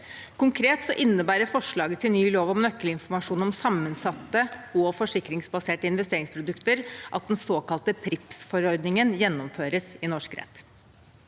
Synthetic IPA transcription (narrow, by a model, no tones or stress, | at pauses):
kʊŋkʰɾeːt̪sɔʔɪnːəbæːɾəɾfɔʂɭɑːɡət̪ʰːɪlnyːloːʋɔmnœkːəlɪnfɔɾmɑʂuːnɔmsɑmːənsɑt̪ːəɔfɔʂɪkɾɪŋsbɑseːʈəɪnʋɛst̪eːɾɪŋspʰɾʊd̪ʉkt̪əɾʔɑt̪̚d̪ɛnsoːkɑlt̪əpʰɾɪpsfɔɾɔɾd̪nɪŋənjɛnːɔmføːɾəsɪnɔʂkɾɛ̰t̪ː